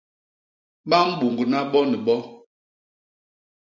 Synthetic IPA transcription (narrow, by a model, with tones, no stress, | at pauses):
ɓa˦m̩˦ɓu˨ŋɡə˨na˦ɓɔ˦nɛ˨ɓɔ˦